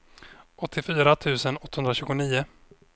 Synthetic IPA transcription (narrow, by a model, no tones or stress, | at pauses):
ʔɔt̪ʰːɪfyːɾat̪ʰʉ̟ːsənɔt̪ːahɵnd̪ɾaɕʉ̟ːɡʊniːʊ